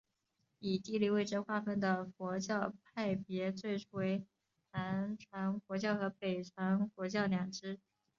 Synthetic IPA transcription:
i˨˩t̪i˥˧li˥˧we˥ɪʈ͡ʂə˥xwa˥˧fə˥˩nd̪ə˩fwɔ˧˥t͡ɕjɑ˥˧ʊpʰa˥˩ɪpjɛ˧˥t͡swe˥˩ɪʈ͡ʂʰu˥˩we˧˥ɪ | na˧˥nʈ͡ʂʰwa˧˥nfwɔ˧˥t͡ɕjɑ˥˩ʊxɤ˧˥pe˨˩ɪʈ͡ʂʰwa˧˥nfwɔ˧˥t͡ɕjɑ˥˩ʊnjɑ˨˩ŋʈ͡ʂɻ̩˥

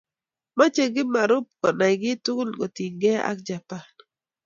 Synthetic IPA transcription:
ma˦t͡ʃe˨ɡɪ˦ma˨ɾʊ˦p̚kɔ˨na˨jɡɪ˦tʊ˦ɡʊ˦lɡo˨ti˨ŋɡɛ˦a̰˦k̚d͡ʒa˨pa˦˨n

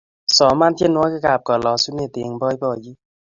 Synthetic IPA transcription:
sɔː˨˦maː˧˨t̪ʰi˦˨nu˧˦ka˧˨ka˨˩p̚kɔ˨lɔː˨˧su˦ne˧˨t̪e˨˦ŋbɔː˧˦˨jbɔː˧˨d͡ʒi˦

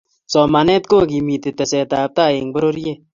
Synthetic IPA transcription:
t͡sɔːma˨ne˦t̪koːɡi˨miː˨t̪et̪ɐ˨se˨t̪aː˨p̚t̪aː˦e˨ŋ̚bɐɾoɾje

